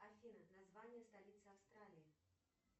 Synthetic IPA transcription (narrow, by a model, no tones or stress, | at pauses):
arfʲinɐnazvanʲːɛst̪alʲit̪sɨawst̪ɾalʲiji